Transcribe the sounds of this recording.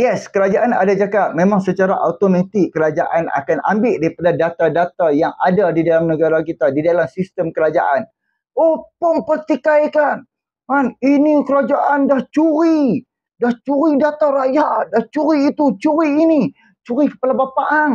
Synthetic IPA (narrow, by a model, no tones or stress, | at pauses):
jɛskəɾad͡ʒaʔana̰dad͡ʒakaʔ̚mẽmaŋsət͡ʃaɾaʔat̪omẽt̪ɪkːəɾad͡ʒaʔana̰kana̰mbɪʔdaɾipadadat̪adat̪ajaŋa̰dadidalamnəɡaɾak̬it̪adidalamsist̪əmkəɾad͡ʒa̰ʔan | opʊŋpərt̪ikajkan | maninikəɾad͡ʒaʔandaht͡ʃuɾi | daht͡ʃuɾidat̪aɾajaʔdaht͡ʃuɾiːt̪ut͡ʃuɾiːni | t͡ʃuɾikə̥palabapaʔaŋ